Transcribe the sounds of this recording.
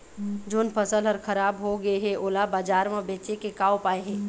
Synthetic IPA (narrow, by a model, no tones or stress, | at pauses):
d͡ʒoːnpʰəsəlɦɔɾkʰɐɾaːbɦoɡəeɦɛ̃ʔoːlabaːd͡ʒaːɾmẽbeːt͡ʃekekaːopaːeɦɛ̃ː